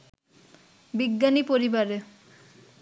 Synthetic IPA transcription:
biɡːanipoɾibaɾe

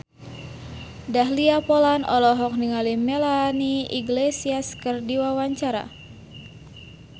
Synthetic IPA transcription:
daɦliapolanɔ̰lɔɦɔk̚niŋalimelaniḭɡlesiaskɨrdiwawaɲt͡ʃaɾa̰

